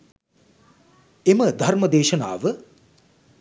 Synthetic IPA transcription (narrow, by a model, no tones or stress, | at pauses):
eməd̪ʱɐrməd̪eːʃɐna̰ːʋə